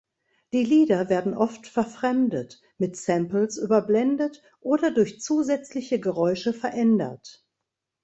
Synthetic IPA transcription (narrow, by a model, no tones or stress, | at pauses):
d̥iːliːdɐveːɐdn̩ʔɔftfɛɐfʁ̥ɛmdət | mɪtsɛmpl̩sʔyːbɐblɛndət | ʔoːdɐdʊɐçt͡suːzɛt͡slɪçəɡəʁɔʏʃəfɛɐʔɛndɐ̰t